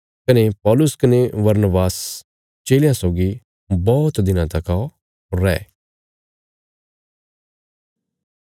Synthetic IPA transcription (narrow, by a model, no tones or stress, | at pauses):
kɐnepɔːlʊskɐneʋɐɾnəbaːs | t͡ʃeːljãsoːɡi | bɔːt̪d̪ɪnãt̪ɐka | ɾɛː